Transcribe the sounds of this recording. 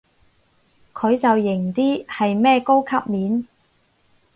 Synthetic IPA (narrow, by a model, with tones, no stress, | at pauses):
kʰɵ˨˧ɥt͡sɐ˨wjɪ˨˩ŋt̪iː˥hɐ˨jmɛː˥˧ko˥wkʰɐ˥p̚miː˨˥n